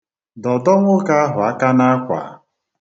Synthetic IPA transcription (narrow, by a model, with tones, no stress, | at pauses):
dɔ˨dɔ˦ŋʷʊ˦ka˦a˦ɦʊ˨a˦ka˦na˦a˦kʷa̰˨˦